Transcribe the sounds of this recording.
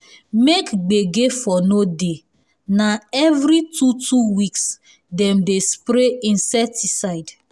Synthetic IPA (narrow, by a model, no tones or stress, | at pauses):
mekɡ͡beɡefɔnode | naɛvɾitutʰuwiks | dɛ̃mdespɾeĩnsɛtisaɪd